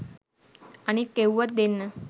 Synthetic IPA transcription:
añikewʋət̪̚d̪enːə

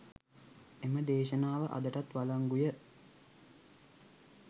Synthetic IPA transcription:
eməd̪eːʃənaːʋəʔa̰d̪əʈat̪ʋalaŋɡujə

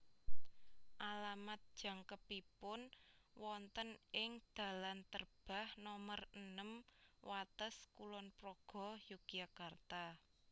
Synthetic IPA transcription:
ʔalamat̪̚d̥ʒ̥ä̤ŋkəpipʊnwɔnt̪ənɪŋd̪̥ä̤lant̪ərb̥a̤hnɔmərənəmwat̪əskulɔnpɾoɡ̥ɔ̤jukiakart̪a

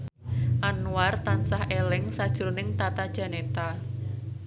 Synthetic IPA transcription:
ʔanuart̪ansahʔelɪŋsad̥ʒ̥ɾonɪŋt̪at̪ad̥ʒ̥a̤net̪a

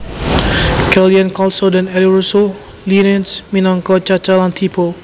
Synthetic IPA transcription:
kɛliə̃nkɔlsɔdɛ̃nɛliɹuso | linɛ̃nsmĩnɔ̃ŋkɔt͡ʃat͡ʃalãnt̪ʰipʰo

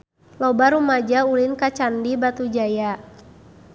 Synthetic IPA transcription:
lɔbaɾumad͡ʒaulinkat͡ʃandibat̪ud͡ʒaja

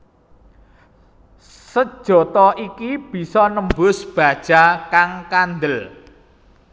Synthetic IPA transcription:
səd̥ʒ̥ɔ̤t̪ɔʔikib̥i̤sɔnəmbʊsb̥a̤d̥ʒ̥a̤kaŋkand̪əl

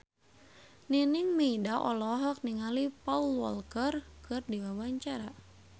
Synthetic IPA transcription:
ninɪŋmeidaʔɔ̰lɔɦɔk̚niŋalipaulwɔ̰lkərkɨrdiwawaɲt͡ʃaɾa

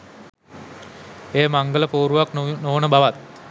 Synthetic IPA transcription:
eːmaŋɡələpoːɾuʋaknoːnəbaʋat̪̚

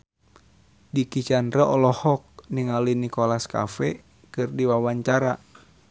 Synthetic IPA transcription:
dikit͡ʃanɾəɔlɔhɔk̚niŋalinikolaska̰fɛ | kɨrdiwawaɲt͡ʃaɾa

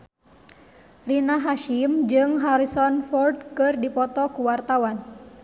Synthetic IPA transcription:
rinaɦaʃimd͡ʒɨŋɦaɾisɔnfɔrd̚kɨrdipɔt̪ɔkuwart̪awan

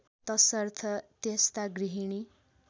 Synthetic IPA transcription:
t̪ʌsʌrt̪ʰʌt̪est̪aɡɾiɦiɽ̃i

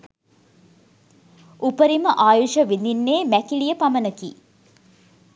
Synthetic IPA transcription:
upəɾiməʔaːjuʃəʋind̪inːeːmækiɭijəpamənəkḭ

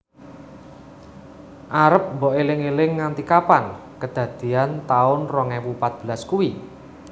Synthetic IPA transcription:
ʔaɾəp̚mbɔʔelɪŋelɪŋːant̪ikapankəd̪̥ä̤d̪̥i̤ant̪aʊnrɔŋɛwupat̪̚b̥ə̤laskuwi

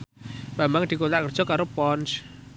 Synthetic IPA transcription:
b̥ambaŋd̪̥i̤kolaʔkərd̥ʒ̥ɔ̤kaɾopɔns

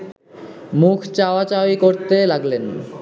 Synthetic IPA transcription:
mukʰt͡ɕaoat͡ɕajkoɾt̪elaɡlen

